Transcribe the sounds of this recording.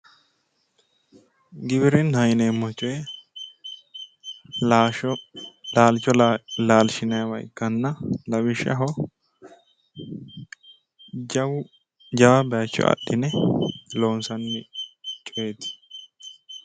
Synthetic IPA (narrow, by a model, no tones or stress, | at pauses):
ɡɪbɪɾɪnhɐjnɛmɔt͡ʃːɔjɛ | laːlt͡ʃːɔlaːlʃɪnɐjɐwɐ̰jkːɐnːɐlɐwɪʃːɐ̰ɦɔ | d͡ʒɐwʊ | d͡ʒɐwɐbɛjɐt͡ʃːɔ̰ɐ̰ɗːɪnɛloːnsɐnːɪt͡ʃʼɔjet̪ɪ̥